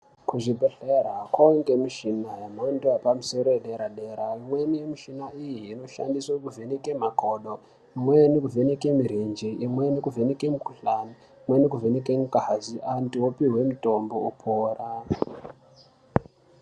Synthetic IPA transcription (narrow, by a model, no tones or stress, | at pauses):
kuʐibʱeɬeɾakwoŋɡemiʃinajamoindewapamuso̞ɾo̞eɗeɾaɗeɾaimwenijemiʃinaijiːno̞ʃa̰ndiswakuvʱenekemakoɗo | imwenekuvʱenekemiɾind͡ʒiimwe̞nekuvʱenekemukuɬani | mwenekuvʱenekemukaɦaziʔandiwopiwe̞muto̞mbo̞upʰoːra